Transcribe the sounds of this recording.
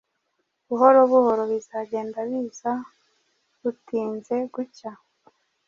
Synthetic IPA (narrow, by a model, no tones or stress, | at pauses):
βuɦo̞ɾoβuho̞ɾo̞βiz̥aɟe̞ːndaβiːza | βutiːnze̞ɡuca